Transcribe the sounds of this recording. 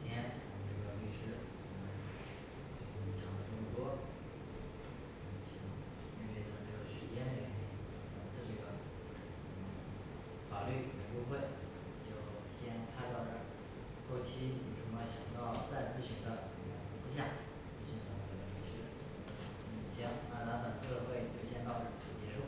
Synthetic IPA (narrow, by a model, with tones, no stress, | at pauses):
jɛ˥nt̪ʊ˧˩ʈ͡ʂɤ˥˩ɡə˩ly˥˩ʂɻ̩˥ | wɔ˧˩mə˧˥n | e˧˩˧t͡ɕʰjɑ˧˥ŋlə˧ʈ͡ʂʊ˥u˥˩t̪wɔ˥˧˩ | t͡ɕʰi˧˥˩t̪ʊ˥˩ŋ | i˥˧we˥˩ɪt̪ʰa˥˩ʈ͡ʂ̩˥˩o˧˩ʊʂɻ̩˧˥t͡ɕjɛ˥nd̪ə˧˩ɛ˧˥nɛ˧˥˩n˧˩t̪ə˧˥˩t͡sʰɹ̩˥˧ʈ͡ʂɤ˥˩ɡə˩˥˩ | fa˨˩ly˥˩u˨˩we˧˥ɪku˥˧xwe˥˩ɪ | t͡ɕjo˥˩ʊ | ɕjɛ˥nkʰa˥˧ɪt̪ɑ˥˩ʊʈ͡ʂə˧˩ | xo˥˩ʊt͡ɕʰi˥˨i˨˩ʈ͡ʂʊ˧˥ŋɑ˥˩ɕjɑ˨˩ŋt̪ɑ˥˧ʊt͡sa˥˧ɪt͡sɹ̩˥˧ɕy˧˩nd̪ə˧˦ʈ͡ʂu˨˩jɛ˧˥nt͡sɹ̩˥ɕ̬ja˥˩ | t͡sɹ̩˥˧ɕy˧˥nt̪ɑ˨˧˥ŋd̪ə˧˩ʈ͡ʂɤ˧˩ə˧˩i˧˥ʂɻ̩˥˩ | n̩˥˩ɕjɑ˧˥ŋa˧˩nʰa˥fə˨˩nt͡sʰɹ̩˥˧d̪ə˧xwe˥˧ɪ˩t̪we˥˧ɪɕjɛ˥nt̪ɑ˥˧ʊə˥˩t͡sʰɹ̩˨˩t͡ɕjɛ˧˥ʂu˥˩